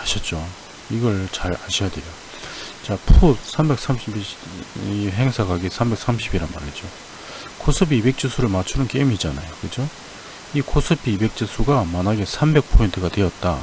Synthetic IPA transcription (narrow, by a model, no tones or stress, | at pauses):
aɕʰʌt̚t͡ɕ͈o | iɡʌɭt͡ɕaɾaɕʰijade̞jo | t͡ɕapʰusʰambe̞k̚s͈ʰamɕʰib | iɦe̞ŋsʰakʰaɡesʰambe̞k̚s͈ʰamɕʰibiɾanma̰ɾet͡ɕ͈o | kʰosʰɯbibe̞k̚t͡ɕ͈isʰuɾɯɭmat͡ɕʰunɯnk͈emid͡ʑanajokɯd͡ʑo | ikʰosʰɯbibe̞k̚t͡ɕ͈ɯsʰuɡamanaɡesʰambe̞k̚pʰointʰɯɡatwe̞jʌt̚t͈a̰